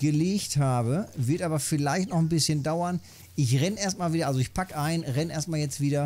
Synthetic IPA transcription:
ɡ̥əleːçthaːbəvɪɐtʔaːbɐfɪlaɪçtnɔχn̩bɪsçəndaʊɐn | ʔɪçʁɛneːɐstmaːlviːdɐʔalzoɪçpʰakəʔaɪnʁɛnʔeːɐstmaːljɛt͡stv̥iːdɐ

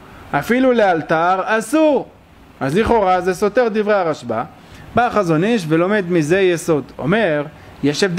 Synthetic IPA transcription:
ʔafilulealt̪aʁasuʁ | azliχo̞ʁazeso̞t̪e̞ʁd̪ivʁeaʁaʃba | baχazo̞niʃ̬velo̞me̞d̪mize̞jeso̞d̪o̞̰me̞ʁ | jeʃevd̪

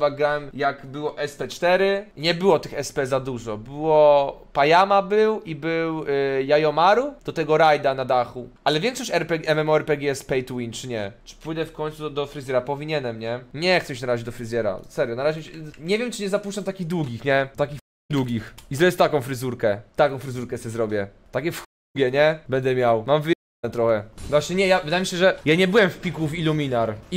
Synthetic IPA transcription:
vaɡɾawɛmjakbɘwɔʔɛspɛt͡ʂt̪ɛɾɘɲɛbɘwɔt̪ɘxɛspɛzad̪uʐɔbɘwɔpajamabɘwibɘwjajɔmaɾud̪̥ɔt̪ɛɡɔɾajd̪anad̪axuʔalɛvjɛŋkʂɔɕt͡ɕɛɾpɛɡʲɛmɛmɔɛɾpɛɡʲɛspɛjt̪wint͡ʂɘɲɛt͡ʂɘ̥pujd̪ɛfkɔɲʲt̪sud̪ɔfɾɨzʲɛɾapɔvʲiɲɛnɛmɲɛɲɛxt̪sɛmiɕɛnaɾaʑʲiɛd͡ʑd̪ɔfɾɘzʲjɛɾa̰sɛɾjɔnaɾaʑɛɕɛɲɛvʲjɛmt͡ʂɨɲɛzapuʂt͡ʂamt̪akʲiɣd̪wuɡʲixɲɛt̪akʲix | d̪wuɡʲixizɔbʲjɛst̪akɔ̃w̃fɾɘzuɾkɛt̪akɔ̃w̃fɾɘzuɾkɛsɛzɾɔbʲjɛt̪akʲɛfx | uɡʲjɛɲɛbɛnd̪ɛmʲjawmamvɘ | ɛt̪ɾɔxɛvwaɕɲɛɲɛjavɘd̪ajemiɕ̬ɛʐɛjaɲɛbɘwɛmfpʲikuvilumʲinaɾi

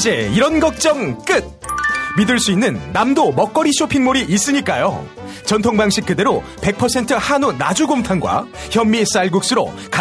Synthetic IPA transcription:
d͡ʑe̞iɾʌnɡʌk̚t͡ɕ͈ʌŋk͈ɯt̚midɯɭs͈uinːɯnːamdomʌk͈ʌɾiɕʰopʰiŋmoɾiʔis͈ɯɲik͈ajo̰ | t͡ɕʌntʰoŋbaŋɕ͈ʰik̚k͈ɯde̞ɾo | pe̞k̚pʰʌsʰe̞ntʰɯhanunad͡ʑuɡomtʰanɡwa̰çjʌmːis͈aɭɡuk̚s͈ɯɾo̰ka

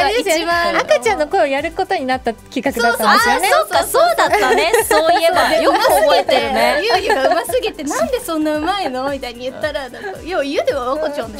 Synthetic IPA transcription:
esaakat͡ɕãnːo̞ko̞eojaɾɯ̟ko̞t̪o̞ɲ̟inat̪ːakʲikakɯ̟d̪at̪ːad̪esjneoasoːd̪aːaesoːiebaejokooet̪eɾɯ̟nejɯɯkɯmasɨɡet̪e̞nãnd̪e̞sõ̞nːaɯ̟maeno̞mʲit̪aiɲ̟ijɯ̟t̪ːaɾanakajoːijɯ̟d̪eβaβakot͡ɕõnd̪e

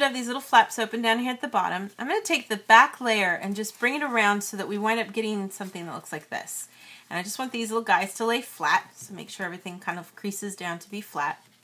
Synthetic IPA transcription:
ɾʌvðizlɪɾl̩ˠflæpsoʊpɨ̃ndaʊ̃nhiɹɨt̪̚ðɨbɑ̰ɾə̃mãɪ̃mɡʌnɨtʰeɪk̚ðɨbækʰleɪə˞ʔɨ̃nd͡ʒʌsb̥ɹɪ̃ŋɨɾə˞ãʊ̃nd̥soʊðəʔ̚wiwãɪ̃ndʌp̚ɡ̥ɛɾɪ̃ŋsʌ̃mθɪ̃ŋðət̚ʔlʊkslaɪk̚ðɪ̰sɨ̃naɪd͡ʒʌst̚wɑ̃nðizlɪɾl̩ˠɡaɪz̥tʰəleɪflæ̰t̚soʊmeɪkʃʊɹɛvɹiθɪ̃ŋkʰãɪ̃ndʌv̥kʰɹ̥isɨzdãʊ̃ntʰɨbiflæt̚

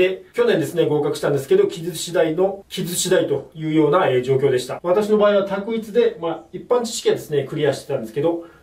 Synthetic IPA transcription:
e̞kʲo̞nẽ̞nd̪esɨne̞ɡo̞ːkakɯ̟ɕi̥t̪ãnd̪eɨ̥ke̞d̪o̞kʲizɨɕid̪aino̞kʲizɨɕid̪ait̪o̞jɯ̟ːjo̞ːnaed͡ʑo̞ːkʲo̞ːd̪e̞ɕi̥t̪aβat̪aɕino̞baːiβat̪akɯ̟it͡sɨd̪e̞maipːãɲ̟t͡ɕi̥ɕi̥kʲẽ̞nd̪e̞sɨne̞kɯ̟ɾʲiaɕi̥t̪e̞t̪ãnd̪esɨ̥ke̞d̪o̞

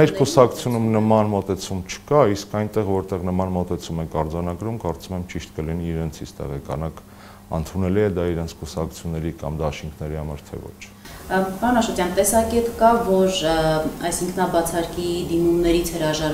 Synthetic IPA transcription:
ɛɾkusɑkʰu̥t͡sʰjunumnəmɑnmɔt̪ɛt͡sʰumt͡ʃʰə̥kɑiskʰɑjnt̪ɛʁvɔɾt̪ɛʁnəmɑnmɔt̪ɛt͡sʰumɛkʰɑɾd͡zɑnɑɡɾumkɑɾt͡sumɛmt͡ʃiʃt̪kəliniːɾɛnt͡sʰist̪ɛ̰ʁɛkɑ̰nɑk | ənt̪ʰunɛliɛd̪ɑiɾɛnt͡sʰkusɑkʰu̥t͡sʰjunːɛɾikɑmd̪ɑʃiŋkʰnɛɾihɑmɑɾt̪ʰɛ̰vɔ̰t͡ʃʰ | pɑɾunɑʃvɛt̪jɑnt̪ɛsɑkɛt̪kɑvɔɾɑjsiŋkʰnɑbɑt͡sʰɑɾkid̪imumnɛɾit͡sʰhəɾɑʒɑɾ

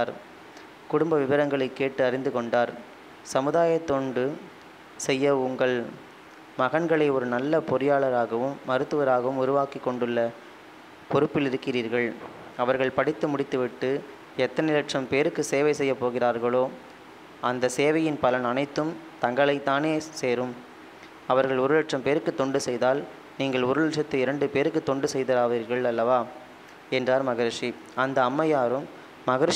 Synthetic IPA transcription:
aːɾ | kʊɽʊmbɐʋɪʋɐɾɐŋɡɐɭɐɪkːeːʈːɯɐɾɪnd̪ɯkɔɳɖaːɾ | sɐmɯðaːjɐt̪ːɔɳɖɯ | sɛjːɐʊŋɡɐɭ | mɐɣɐɳɡɐɭɐɪɔɾɯnɐlːɐpɔɾɪjaːɭɐɾaːɣɐʋɯmːɐɾɯt̪ːɯʋɐɾaːɣɐʋɯmʊɾʊʋaːkɪkːɔɳɖɯɭːɐ | pɔɾɯpːɪlɪɾɯkːɪriːɾɣɐɭ | ɐʋɐɾɣɐɭpɐɽɪt̪ːɯmʊɽɪt̪ːɯʋɪʈːɯ | ɛt̪ːɐnɪlɐʈʂɐmpeːɾɯkːɯseːʋɐɪsɛjːɐpːoːɣɪraːɾɣɐɭoː | ʔɐnd̪ɐseːʋɐjɪnpɐlɐnɐnɐɪt̪ːɯm | t̪ɐŋɡɐɭɐɪt̪ːaːneːseːɾɯm | ɐʋɐɾɣɐɭʊɾɯlɐʈʂɐmpeːɾɯkːɯt̪ːɔɳɖɯsɛjðaːl | niːŋɡɐɭʊɾɯlɐʈʂɐt̪ːɐɪɾɐɳɖɯpeːɾɯkːɯt̪ːɔɳɖɯsɛjðɐɾaːʋiːɾɣɐɭɐlːɐʋaː | ɛndraːɾmɐɣɪɾʂi | ɐnd̪ɐːmːɐjaːɾɯmː | ɐɣɪɾʂ

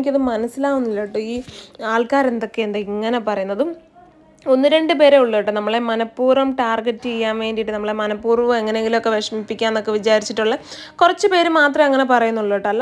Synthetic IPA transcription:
ikʲːɐðɨmɐnɐsːilaːʋunːilːɐʈːɨiːaːɭkaːɾend̪o̞kːe̞end̪ɨiŋːɐne̞pɐrɐjunːɐðum | o̞nːɨɾe̞ɳɖɨpe̞ːɾeuɭːɐiʈːɨnɐmːɐɭe̞mɐnɐpːuːrɐmʈaːrɡetːɨijːaːnʋe̞ːndɖijiʈːɨnɐmːɐɭemɐnɐpːuːrɐʋɨeŋːɐneeŋɡilmo̞kːe̞ʋeʂɐmipːikʲːaːnːokːe̞ʋit͡ɕaːɾit͡ɕːiʈːuɭːɨ | kurɐt͡ɕːɨpe̞ːɾumaːt̪rɐmɐŋːɐne̞pɐrɐjunːuɭːɐʋiʈːɐlːɐ

